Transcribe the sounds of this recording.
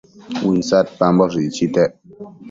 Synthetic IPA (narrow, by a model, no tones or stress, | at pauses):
un̩sat̚pambɔɾit͡ʃitɛʔ